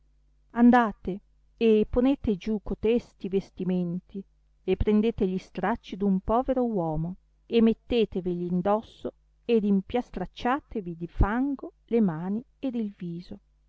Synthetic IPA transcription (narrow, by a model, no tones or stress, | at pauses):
and̪aːt̪e | epːoneːt̪ed͡ʒukot̪ɛst̪ivest̪iment̪ʰi | epːɾend̪eːt̪eʎist̪ɾat͡ʃːid̪umpɔːveɾowɔːmo | emːet̪ːeːt̪evilind̪ɔsːo | ed̪impjast̪ɾat͡ʃːaːt̪evid̪ifaŋɡo | lemaːni | ed̪ilviːzo